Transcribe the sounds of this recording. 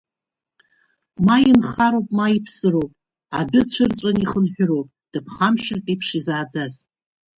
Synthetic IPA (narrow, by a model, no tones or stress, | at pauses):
majɪnχaɾowpʼmaipʰsɨrowpʼ | adʊt͡ɕʷʰɨrt͡sʷʼaniχənħᶣʊrowpʼd̥ɨpʰχamʃɪrtʼipʰʂizaːd͡zaz